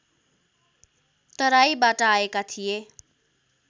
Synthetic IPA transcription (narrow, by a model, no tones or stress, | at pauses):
t̪ʌɾaibaʈaːekat̪ʰije